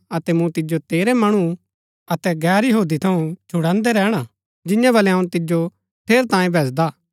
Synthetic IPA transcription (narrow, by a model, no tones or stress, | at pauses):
ɐt̪ɛmũt̪ɪd͡ʒot̪eːɾemɐɽ̃u | ɐt̪ɛɡɛːɾjɐɦoːd̪it̪ʰɐũt͡ʃʰʊɽãːnd̪eɾɛːɽ̃a | d͡ʒɪ̃jãbɐlɛɦɐũt̪ɪd͡ʒo | pʰeːɾt̪ãːjẽbʱɛːsd̪aː